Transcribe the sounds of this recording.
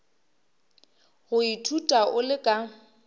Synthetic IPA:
ɣʊitʰutʼaʔʊlɪkʼa

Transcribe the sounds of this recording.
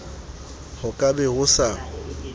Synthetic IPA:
hʊkʼabɛhʊsa

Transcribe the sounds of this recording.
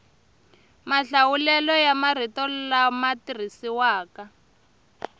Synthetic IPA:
maɬawulɛlɔjamar̤itɔlamatir̤isiwaːka

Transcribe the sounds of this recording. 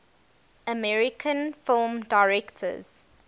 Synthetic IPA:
əmɛɹɪkʰə̃nfɪlmdaɪɹɛktʰə̰z̥

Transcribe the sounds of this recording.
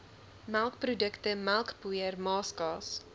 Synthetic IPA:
malˠkprodəktəmælˠkpujərmɑːskɑːs

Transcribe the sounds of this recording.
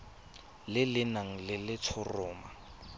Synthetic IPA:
lɪlɪnaŋ̩lɪlɪt͡sʰʊrɔːma

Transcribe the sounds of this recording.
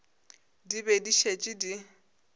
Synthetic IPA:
dibɛdiʃet͡ʃʼidi

